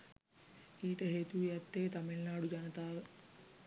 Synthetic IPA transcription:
iːʈɐɦeːt̪ujɐt̪ːeːt̪ɐmiɭnaːɽud͡ʒɐnɐt̪aːʋe

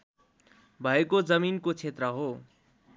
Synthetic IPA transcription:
bʱʌekod͡zʌminkot͡sʰet̪rʌɦo

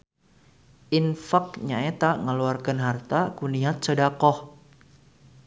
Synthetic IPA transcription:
ʔinfak̚ɲaet̪aŋəluarkanɦart̪akuniɦat̪̚t͡ʃədakɔh

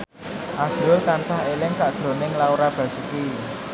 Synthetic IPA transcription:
ʔasʊlt̪ansaɦelɪŋsaʔd̥ʒ̥ɾo̤nɪŋlauɾab̥ä̤suki

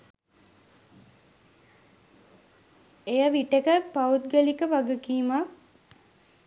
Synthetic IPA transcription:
ejəʋiʈekəpaut̪̚ɡəlikəʋaɡəkiːmak̚

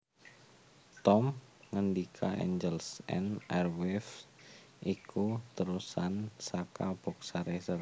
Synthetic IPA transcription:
t̪ɔm | ŋəndikʰaɛ̰ɲd͡ʒəlsɛ̰nɛrwɛf | ʔikut̪əɾusansakab̥ɔ̤ksaɾesər

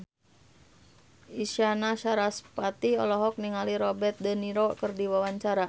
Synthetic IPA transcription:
iʃianaʃaɾaspat̪iɔ̰lɔɦɔk̚niŋaliɾɔbɛrt̪̚dəniɾɔkərdiwawaɲt͡ʃaɾa

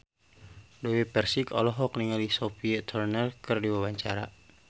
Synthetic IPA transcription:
dowepɛrsikɔ̰lɔɦɔkniŋalisɔpit̪ʰɔrnɛlkɨrdiwawaɲt͡ʃaɾa̰

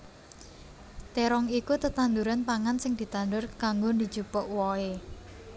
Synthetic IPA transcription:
t̪eɾɔŋikut̪ət̪and̪uɾanpaŋansɪŋd̪̥i̤t̪and̪ʊrkaŋɡond̪i̤̥d͡ʒ̥upɔʔwɔe

